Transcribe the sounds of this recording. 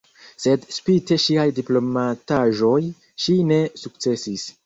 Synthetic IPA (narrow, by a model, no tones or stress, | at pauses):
se̞dspite̞ʃiajdiplo̞mataʒo̞j | ʃine̞suk̚t͡se̞sis